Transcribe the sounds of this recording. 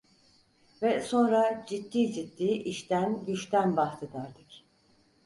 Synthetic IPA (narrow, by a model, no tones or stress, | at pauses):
vɛso̞nɾad͡ʒit̪ːiːd͡ʒit̪ːiːʔiʃt̪ʰænɟyt͡ʃt̪ʰænbaxt̪ʰɯd̪aɾd̪ɯk